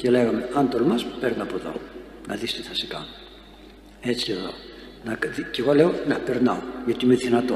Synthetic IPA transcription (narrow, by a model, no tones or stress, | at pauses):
cele̞ɣɐmeɐnt̪olmɐspeɾnɐɐpoðo̞̰ | nɐ̰ðist̪iθɐsi̥kɐ̰no | e̞t͡sieðo̞̰ | nɐðiceɣoleonɐpeɾnɐoʝɐt̪iineðinɐt̪o